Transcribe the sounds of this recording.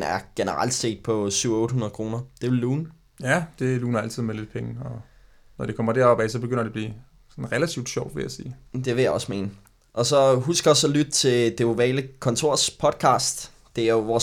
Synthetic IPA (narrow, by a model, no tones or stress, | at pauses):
næɐɡ̥enəʁäl̰d̥se̝̰ːd̥̚pʰɒ̽syʊ̰ɔ̽ːɾ̥ɦunɐð̞̩ˠkʰʁo̝ːnɐd̥e̝ʋe̝lːuːn | jæd̥e̝luːnɐæl̰t͡sʰið̰ˠmele̝d̥̚pʰeŋəɒ | nɒd̥ekʰɒ̽m̰ɐd̥æɐɒb̥ɛsɒ̽b̥eɡ̥øn̰ɐd̥e̝b̥liː | sɒnʁelæt͡sʰiʊd̥ɕɒʊd̥ʋe̝jæsiːd̥e̝ʋe̝jɑ̈ɒ̽sme̝̰ːn | ʔɒ̽sɒ̽ɦusɡ̥ɒsɒlyd̥̚t͡sʰe̝ld̥eoʋɛːləkʰɒ̽nt͡sʰo̝ɐ̰spʰɒ̽d̥̚kʰɑ̰̈ːsd̥ː | e̝æɐjoʋɒː